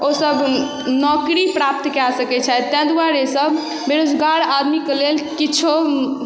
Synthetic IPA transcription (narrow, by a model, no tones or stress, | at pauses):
osəb | nɔkɾipɾap̚t̪kasəkɛt͡ʃʰɛt̪ːɛ̃d̪uaɾesəb | beɾod͡ʒɡaɾad̪mikelelkit͡ʃʰo